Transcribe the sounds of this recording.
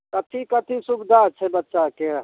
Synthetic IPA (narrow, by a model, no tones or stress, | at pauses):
kɐt̪ʰikət̪ʰisʊkd̪at͡ʃʰebətːʃake